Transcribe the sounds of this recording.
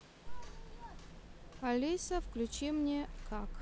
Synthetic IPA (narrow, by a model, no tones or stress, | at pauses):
ɐlʲisɐfklʲʉt͡ɕimnʲekʰak